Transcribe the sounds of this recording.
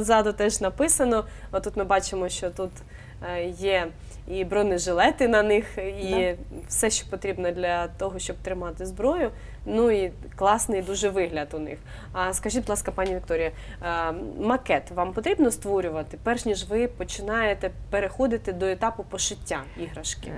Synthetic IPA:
ɔzɑɐd̪ɔt̪ɛʒnɐpɪsɐnɔt̪ut̪mɪbɑt͡ʃɪmɔʃt͡ʃɔt̪ut̪ | jɛ | ibɾɔnɪʒɪlˠɛt̪ɪnɐnɪxiwsɛʃt͡ʃɔ̥pɔt̪ɾʲibnɐd̪lʲɐt̪ɔɦɔʃt͡ʃɔb̚t̪ɾɪmɑt̪ɪzbɾɔjʊ | nui | klˠɑsnɪjd̪uʒɛʋɪɦlʲɐt̪ʊnɪ̰x | ɐskɐʒit̚ʲbʊd̪lˠɑskɐpɑnʲiʋʲikt̪ɔɾʲɪjɐ | mɐkɛt̪ʋɑmpɔt̪ɾʲibnɔst̪ʋɔɾʲʊʋɐt̪ɪpɛrʃnʲiʒʋɪpɔt͡ʃɪnɑjet̪ɛpeɾexɔd̪ɪt̪ɪd̪ɔet̪ɑpʊpɔʃɪtʲːaiɦɾɐʃkɪ̰

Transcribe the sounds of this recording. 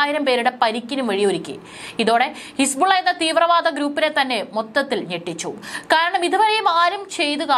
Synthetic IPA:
jiɾɐmpe̞ːɾuɽe̞pɐɾikʲːinumʋɐɻijoɾikʲːɨ̰ | iðo̞ːɽe̞hisbuɭːɐjenːɐt̪iːʋrɐʋaːd̪ɐɡɾuːpːinet̪ɐnːe̞mot̪ːɐt̪ːilneʈːit͡ɕːṵkaːɾɐɳɐmid̪ʱɐbɐɾɐjumaːɾumt͡ɕe̞jt̪uɣɐ

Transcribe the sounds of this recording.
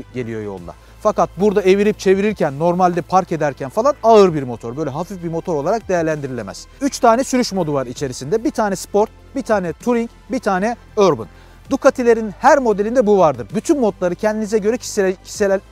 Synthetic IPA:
ɟe̞lijo̞̰jo̞̰lˠd̪a̰ | fakat̪̚buɾd̪ae̞viɾip̚t͡ʃʰe̞viɾiɾcʰænːo̞ɾmalʲd̪ɛpʰaɾke̞d̪æɾcʰænfalˠanaɯɾbiɾmo̞t̪ʰo̞ɾbø̞jlʲɛɦafifbimo̞t̪ʰo̞ɾo̞lˠaɾak̚d̪e̞jæɾlʲænd̪iɾilʲemæ̰z̥yt͡ʃt̪ʰaːnɛsyɾyʃmo̞d̪uvaɾit͡ʃʰe̞ɾisind̪ɛbit̪ʰaːnɛspo̞ɾt̪̚ | bit̪ʰaːnɛt̪ʰuɾiɲc | bit̪ʰaːnɛ | øɾbɯ̰n | d̪ukʰat̪ʰilʲe̞ɾinhæɾmo̞d̪elʲind̪ɛbuvaɾd̪ɯɾbyt̪ʰynmo̞t̪lˠaɾɯcʰɛnd̪inizɛɟø̞ɾɛcʰi̥se

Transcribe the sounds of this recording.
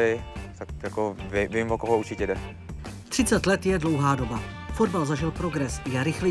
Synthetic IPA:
ɪt̪akjakovivimvokoɦouɾt͡ʃɪcɛdɛ | t̪r̥ɪt͡sɛt̪lɛt̪jɛdlo̞wɦaːdo̞ba | fo̞dbalzaʒɪlpɾoɡɾɛsjɛɾɪxli

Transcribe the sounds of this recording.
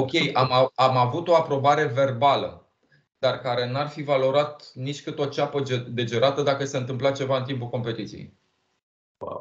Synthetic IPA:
o̞kʲe̞jamaamavut̪o̞apɾo̞baɾe̞ve̞rbalə | d̪̥arkaɾe̞nuarfivalo̞ɾat̪nit͡ʃʲkɨt̪o̞t͡ʃapəd̪e̞d͡ʒeɾat̪əd̪akəseɨnt̪ɨmplat͡ʃe̞vaɨnt̪impulko̞mpe̞t̪it̪sijḛj

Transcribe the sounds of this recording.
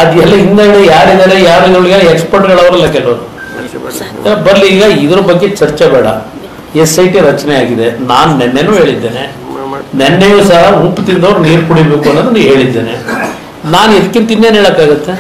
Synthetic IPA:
ɐd̪ɛlːɐɦind̪aiɽejaːɾid̪aːɾejaːɾuid̪ɾuɭɡaːekspɐɾʈɡɐɭɐʋɐɾɐlːɐkɛlɐʋɐɾu | ɐbɐɾliːɡɐid̪ɐɾɐbɐɡːe̞t͡ʃɐɾt͡ʃebɛːɽɐ̰ | esɐjʈiɾɐt͡ʃnɛaːɡid̪enaːnnɛnːenuːɦe̞ːɭid̪ːeːnḛ | nɛnːejusaɦɐupːt̪ind̪ɐʋɐɾuniːɾkuɽibeːkuɐnːɐd̪ɐnɦe̞ːɭid̪ːe̞ːnḛ | naːnid̪ɐkːint̪ːind̪eːnɦeːɭɐkːaːɡɐt̪ːe

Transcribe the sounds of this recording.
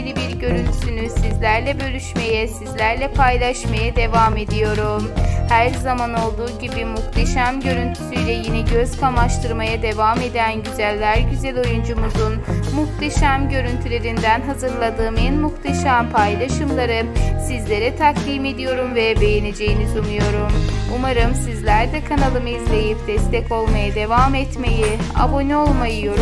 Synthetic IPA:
lʲibiɾɟø̞ɾynt̪ʰy̥synysizlʲæɾlʲɛbø̞ɾʲyʃme̞jɛsizlʲæɾlʲɛpʰajlˠaʃmajad̪e̞vaːme̞d̪ijo̞ɾumhæɾzamano̞lˠd̪uːɟibimuxt̪ʰeʃæmɟø̞ɾynt̪ʰy̥syjlʲɛjinɛɟøzkʰamaʃt̪ʰɯɾmajad̪e̞vaːme̞d̪ænɟyzælʲːæɾɟyzælʲo̞jund͡ʒumuzunmuxt̪ʰeʃæmɟø̞ɾynt̪ʰylʲe̞ɾind̪ænɦazɯɾlˠad̪ɯːmenmuxt̪ʰeʃæmpʰajlˠaʃɯmlˠaɾɯsizlʲe̞ɾɛt̪ʰaklʲiːme̞d̪ijo̞ɾumvɛbe̞jene̞d͡ʒe̞jinizunujo̞ɾumumaɾɯmsizlʲæɾd̪ɛkʰanalˠɯmɯizlʲe̞jipd̪̥ɛst̪ʰɛco̞lˠmajad̪e̞vaːmɛt̪me̞jia̰bo̞nio̞lˠmajɯjoɾ

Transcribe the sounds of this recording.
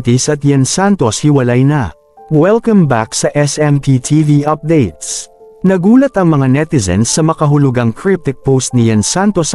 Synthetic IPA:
t̪ɪsɐt̪̚jɛnsant̪o̞shɪwɐlajnɐ | wɛlkɐ̃mbaksɐʔɛsɛmt̪ʰit̪ʰiviʔɐp̚d̪ejt̪s | nɐɡuːlɐt̪ɐŋmɐŋanɛt̪ɪsɛ̰nsːɐmɐkɐɦʊlʊɡaŋkʰɹɪp̚t̪ɪk̚powst̪̚nɪjɛnsant̪os

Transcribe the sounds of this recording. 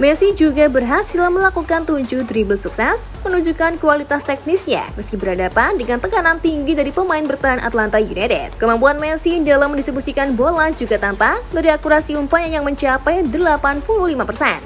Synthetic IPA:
mɛsid͡ʒuɡabərɦasilməlakukant̪uɲd͡ʒud̪ɾibəlsuksɛs | mənuɲd͡ʒukankualit̪ast̪ɛk̚nisɲa̰məskibəɾadapandəŋant̪əkanant̪iŋɡidaɾipəmaɪnbərt̪aɦanʔa̰t̪lant̪ajunat̪ɛ̰t̪̚kəmampuanmɛsidalamːəndist̪ɾibusikanbolad͡ʒuɡat̪ampadaɾiakuɾasiumpaɲajaŋməɲt͡ʃapɛjdəlapanpululimapərsɛn

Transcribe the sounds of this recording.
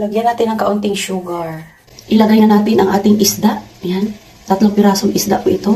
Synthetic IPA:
lɐɡjanːaːt̪ɪnɐŋkɐʔʊnt̪ɪŋʃuːɡɐɹ | ʔɪlɐɡajnɐnaːt̪ɪnʔɐŋʔaːt̪ɪŋʔɪsd̪aʔɐjan | t̪ɐt̪loŋpɪɾaːsoŋʔɪsd̪a̰ʔkʊʔɪt̪o̞

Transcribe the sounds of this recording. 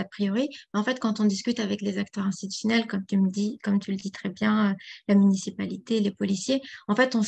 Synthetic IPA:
apχijɔʁimɛɑ̃fɛt̪kɑ̃t̪ɔ̃d̪iskʲyt̪avɛklezakt̪œʁɛ̃st̪it̪y̥sjɔnɛlkɔmt̪yməd̪ikɔmt̪ʰyləd̪it̪χɛbjɛ̃ølamynisipalit̪elepɔlisjeɑ̃fɛt̪ɔ̃

